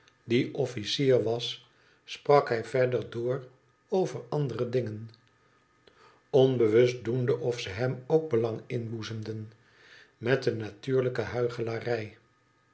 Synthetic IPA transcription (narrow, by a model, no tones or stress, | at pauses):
diʔɔfisiːɹʋɑsː | prɑkɦɛjvɛɹdəɹdʊːr | owvəɹɑndərədɪŋən | ɔnbəʋɵstdundəʔɔfsəɦɛmowɡ̚bəlɑŋɪnbuzəmdən | mɛtənːatyːɹləkəɦœɥχəlaːrɛj